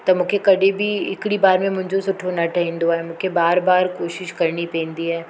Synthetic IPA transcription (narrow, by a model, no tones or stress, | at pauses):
t̪ɐmʊ̃kʰekɐɽʱebʱiɪkɽibaːɾmẽmʊ̃ɦɪ̃ɲd͡ʑosʊʈʰonɐʈʰɐɦĩːnd̪oɦɛmʊ̃kʰebaːɾbaːɾkoːʃɪʃkɐɾnipɛ̃ːnd̪iɦɛː